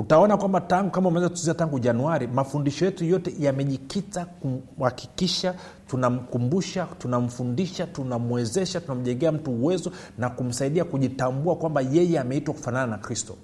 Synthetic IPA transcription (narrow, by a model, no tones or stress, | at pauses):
utaɔnakwambataŋɡukamaumaɛzaktu̥iziataŋɡuʄanuaɾimafundiʃɔjɛtujɔtɛjamɛʄikitakum̩haki̥kiʃa | tunam̩kumbuʃatunam̩fundiʃatunamwɛzɛʃatunam̩ʄɛŋɡɛam̩tuːwɛzɔ | nakum̩saiɗiakuʄitambuakwambajɛjɛamɛitwaku̥fanananakɾistɔ